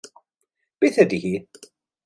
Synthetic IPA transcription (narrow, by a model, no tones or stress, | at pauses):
b̥iθæd̪hi